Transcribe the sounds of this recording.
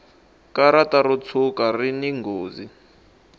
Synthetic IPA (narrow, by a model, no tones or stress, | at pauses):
kaɾataɾut͡sʰukariniŋɡoːzi